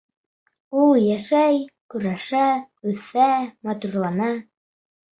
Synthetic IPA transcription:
ulˠjæʃæjkɵɾæʃæ | ʉθæmɑt̪urlˠɑnɑ

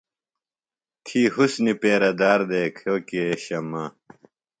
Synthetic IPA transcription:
t̪ʰiːɦusnipeːɾɐd̪aːɾd̪eːkʰoːkieɕɐmaː

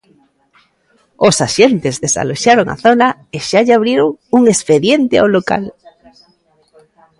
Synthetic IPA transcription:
osaʃent̪ezðesa̰loʃaɾoŋa̰θonaeʃaʎaβ̞ɾjeɾoŋuŋespeðjent̪ɪa̰wloka̰l

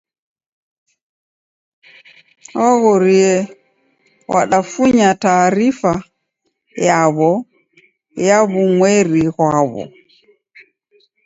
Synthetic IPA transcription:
waɣɔɾiɛ | wa̰ɗafuɲataːɾifa | jaβɔ | jaβuŋwɛɾiɣwaβɔ̰

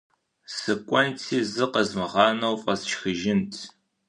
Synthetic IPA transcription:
sɨkʷʼɔntʰiːzɨqəzmɨʁɑːnɐwfʼɐsʃxɨʒɪntʰ

